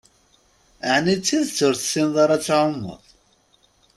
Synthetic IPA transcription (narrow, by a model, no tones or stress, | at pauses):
əʕnit͡sːiðt͡sːʊɾθsinðˤɑɾˤɑt͡sːʕʊmːə̰ðˤ